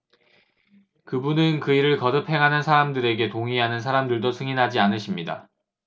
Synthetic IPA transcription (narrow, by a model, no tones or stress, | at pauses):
kɯbunɯnkɯiɾɯɭkʌdɯpʰhe̞ŋɦanɯnsʰaɾamdɯɾe̞ɡe̞toŋiɦanɯnsʰaɾamdɯɭdosʰɯŋinɦad͡ʑianɯɕʰimɲida̰